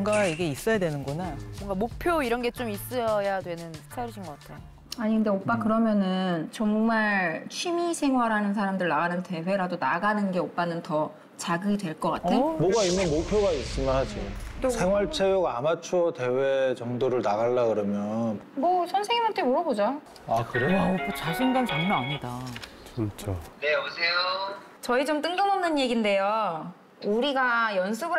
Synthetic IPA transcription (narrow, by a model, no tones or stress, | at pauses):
ŋɡaiɡe̞is͈ʌjadwe̞nɯnɡʌnaboʌŋɡamok̚pʰjoiɾʌnɡe̞t͡ɕomis͈ɯʌjadwe̞nɯn̥ʰtʰaɾɯɕʰinɡʌk͈atʰejo | aɲinɯnde̞op͈akɯɾʌmjʌnɯnt͡ɕʌŋmaɭt͡ɕʰimisʰe̞ŋɦwaɾanɯnsʰaɾamdɯɭnaɡanɯntʰe̞we̞ɾadonaɡanɯnɡe̞op͈anɯntʌ | t͡ɕaɡɯdwe̞ɭk͈ʌk͈atʰeomʌɡainːɯnmok̚pʰjoɡais͈ɯmjʌnhad͡ʑosʰe̞ŋɦwaɭt͡ɕʰejoɡaamat͡ɕʰuʌte̞we̞t͡ɕʌŋdoɾɯɭnaɣaɭːakɯɾʌmjʌnmʌsʰʌnsʰeŋimʌtʰemoɾʌbod͡ʑa | akɯɾet͡ɕaɕʰinɡant͡ɕʌmnʌaɲida | t͡ɕint͡ɕʰoneʌbosʰejo | t͡ɕʌit͡ɕomt͈ɯŋɡɯmʌmnɯnje̞ɡinde̞jo | uɾiɡajʌnsʰuɡɯ